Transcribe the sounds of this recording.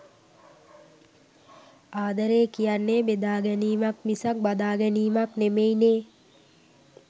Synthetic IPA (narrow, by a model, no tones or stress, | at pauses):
aːd̪əɾeːkijanːeːbed̪aːɡɛniːmakmisak̚bad̪aːɡɛniːmaknemejneː